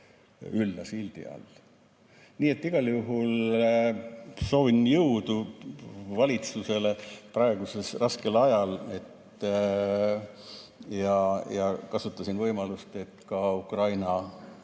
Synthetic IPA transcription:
ylːɑsild̪̥ḭɑ̰l | niːet̪ˑːiɡ̥ɑljuɦul | so̞ːvinjɤwd̪̥u | vɑlʲit̪suse̞le̞prɑeɡ̥use̞srɑske̞lɑjɑle̞t̪ː | jɑjɑkɑsut̪ˑːɑsinvɤjmɑlust̪e̞t̪kɑukrɑjnɑ

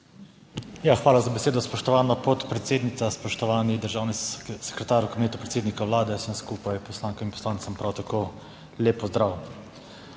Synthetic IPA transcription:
jaxʋaːlazabɛseːd̪ɔspɔʃt̪ɔʋaːnapɔt̪pɾɛt̪seːd̪nit̪saspɔʃt̪ɔʋaːnid̪əɾʒaːwnisɛ̥kɾɛt̪aːɾukabineːt̪upɾet̪seːd̪nikawʋlaːd̪ɛsəmskuːpajpɔslaːŋkɔminpɔ̥slaːnt̪sampɾawt̪akʰo | leːpɔzd̪ɾaw

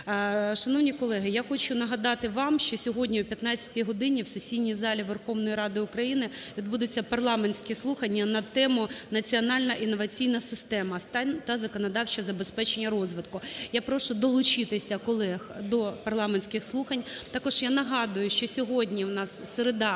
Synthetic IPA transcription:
ʃɐnɔwnʲikɔlˠɛɦɪjaxɔt͡ʃʊnɐɦɐd̪ɑt̪ɪʋɑmʃt͡ʃɔsʲɔɦɔdʲnʲiʊpʲjɐt̪nɑt͡sʲɐ̥tʲijɦɔd̪ɪnʲiwsesʲijnʲijzɑlʲiʋerxɔʋnɔjiɾɑd̪ɪʊkɾɐjinɪʋʲid̪bud̪ʊt͡sʲːɐpɐrlˠɑmenʲsʲkɛslˠuxɐnʲːɐnɐt̪ɛmʊnɐt͡sʲiɔnɑlʲnɐʔinːɔʋɐt͡sʲijnɐsɪst̪ɛmɐt̪ɑnʲt̪ɐzɐkɔnɐd̪ɑwt͡ʃɐzɐbespɛt͡ʃenʲːɐɾɔzʋɪt̪kʊjapɾɔʃʊd̪ɔlˠʊt͡ʃɪt̪ɪsʲɐkɔlˠɛxd̪ɔpɐrlˠɑmenʲsʲkɪxslˠuxɐnʲt̪ɑkɔʒjanɐɦɑd̪ʊjʊʃt͡ʃɔsʲɔɦɔdʲnʲiwnɑsːeɾed̪ɑ

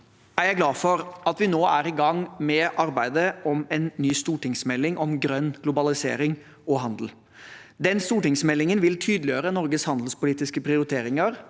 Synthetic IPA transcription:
æɾjæɪɡlɑːfɔɾɑt̪ʋɪnoːʔæɾɪɡɑŋmɛʔɑɾbæɪd̪əɔmɛnːyːst̪uːʈɪŋsmɛlːɪŋʔɔmɡɾœnːɡlʊbɑlɪsḛːɾɪŋ | ɔɦɑnd̪l̩ | d̪ɛnst̪uːʈɪŋsmɛlːɪŋənʋɪlt̪ʰyːd̪l̩ɪøːɾənɔɾɡəshɑnd̪l̩spʊliːt̪ɪskəpʰɾɪʊɾɪt̪ʰeːɾɪŋəɾ

